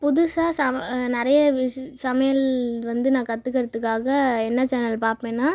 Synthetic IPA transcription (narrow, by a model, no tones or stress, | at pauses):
pʊðʊsaːsɐnɪɾɐjɐʋɪsɐmɐjɐlʋɐnd̪ɯnãːkɐt̪ːɯkːɐɾɐt̪ːɯkːaːɣɐɛnːɐt͡ʃɛnɐlpaːɾpẽːnːaː